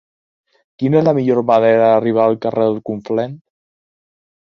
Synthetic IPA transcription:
kinɛzləmiʎoɾmaneɾəðariβ̞aːlˠkareðəlˠkuɱflɛn

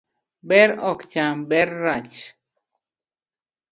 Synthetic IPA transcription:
bɛɾɔkt͡ʃambɛɾːat͡ʃ

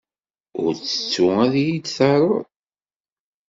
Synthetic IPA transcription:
ʊ̰ɾt͡sːə̥t͡sːʊæðjid̪θəɾˤoðˤ

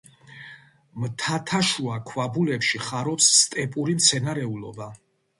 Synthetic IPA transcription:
mt̪ʰat̪ʰaʃuakʰwabulɛpʃiχaɾɔpsːt̪ʼɛpʼuɾimt̪sʰɛnaɾɛulɔ̰ba

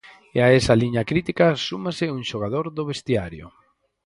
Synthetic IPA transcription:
eaɛsaliɲakɾit̪ikasumasɪuŋʃoɣ̞aðoɾðʊβest̪iaɾjʊ̰

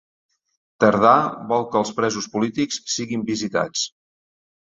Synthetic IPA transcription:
t̪əɾðaβɔlˠkəːlˠspɾɛzuspulit̪ikssiɣimbizit̪a̰t͡s

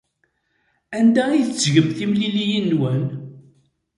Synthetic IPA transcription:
ænd̪æijzʝəmθimlilijinːwən

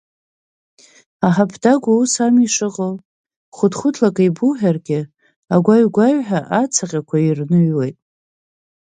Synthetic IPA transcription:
aħapʰdaɡʷausamiʂɨqʼəw | χʷʊdχʷʊtʰlakʼaibuħᶣarɡʲɪ | aɡʷaɥɡʷaɥħaʔat͡sʰaqʲʼakʷʰairnɨɥwejtʼ

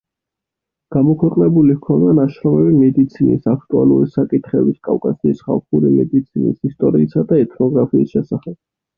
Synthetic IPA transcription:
ɡ̥amɔkʰwɛqʼnɛbulihkʰɔnd̪anaʃɾɔmɛbimɛd̪it̪sʰinḭsakʰt̪ʼua̰lˠṵɾisakʼit̪ʰχɛbiskʼavkʼasiːsχa̰lˠχuɾimɛd̪it̪sʰinḭsist̪ʼɔɾiːsad̪aɛt̪ʰnɔɡɾapʰiːsʃɛsaχɛb̥̚

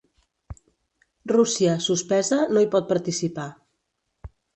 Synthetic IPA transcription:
rusiəsuspɛzənoipɔt̪̚pəɾt̪isipa

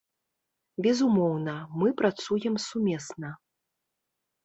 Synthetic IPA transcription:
bʲɛzumɔwnɐmɨpɾat̪sujɛmsumʲɛsnɐ

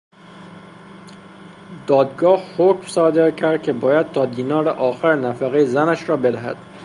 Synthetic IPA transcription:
d̪̥ɒːd̪ɡɒːhhocmsɒːd̪e̞ɾ̚cʰæɾd̪̥̚cʲʰebɒːjæd̪̥̚t̪ʰɒːd̪iːnɒːɾeʔɒːxæɾnæfæɣejezænæʃɾɒːbe̞d̪æɦæ̰d̪̥

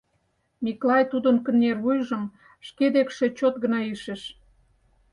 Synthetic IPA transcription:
miklɑjt̪ud̪ənkə̆nːervujʒə̆m | ʃked̪ekʃĕt͡ɕot̪ɡə̆nɑiʃeʃ

